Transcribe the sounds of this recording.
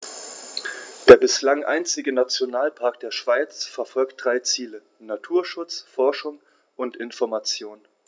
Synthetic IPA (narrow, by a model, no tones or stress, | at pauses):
d̥eːɐbɪslaŋʔa̰ɪnt͡sɪɡənat͡sjonaːlpʰaɐk̚d̥eːɐʃv̥aɪt͡sfɛɐfɔlkt̚d̥ʁaɪt͡siːlə | natʰuːɐʃʊt͡sfɔɐʃʊŋ | ʔʊntɪnfɔɐmat͡sjoːn